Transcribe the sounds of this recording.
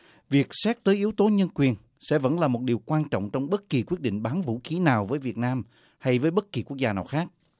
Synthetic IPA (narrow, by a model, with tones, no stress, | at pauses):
vi˨˩ək̚sɛ˦˥t̚t̪əː˨˦jʔi˨˦əwt̪o˨˦ɲə˧nkwi˨˩ən | sɛ̰˧˥və̰˧˥nlaː˨˩mo˨˩t̚ɗi˨˩əwkwaː˧nt͡ɕɔ̰˧˨ŋ͡mt͡ɕɔ˧wŋ͡mɓə˦˥t̚ki˨˩kwi˦˥t̚ɗḭ˧˨ŋ̟ɓaː˨˦nvṵ˧˥xi˨˦naː˨˩wvəː˨˦jvi˨˩ət̚naː˧m | ha˧jvəː˨˦jɓə˦˥t̚ki˨˩ku˦˥ək̚zaː˧naː˨˩wxaː˦˥k̚